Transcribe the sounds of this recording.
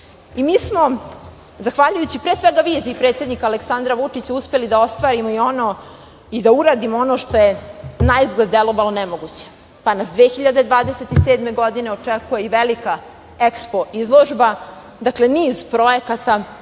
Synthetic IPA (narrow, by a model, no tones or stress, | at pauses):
imiːsmo̞ | zaxʋaʎujut͡ɕipɾesʋeɡaʋiːziːpɾet̪sje̞d̪nikaleksand̪ɾaʋut͡ʂit͡ɕauspe̞lid̪ao̞st̪ʋaːɾimoio̞no̞ | id̪auɾaːd̪imoo̞no̞ʂt̪o̞je̞naizɡled̪d̪elˠo̞ʋalonemoɡut͡ɕe̥ | panasd̪ʋeːxiʎad̪e̞d̪ʋaːd̪ese̞t̪iseːd̪me̞ɡo̞d̪ine̞ot͡ʂekuje̞iʋelika | ekspo̞ʔizlˠo̞ʒba | d̪akle̞niːzpɾo̞je̞kat̪a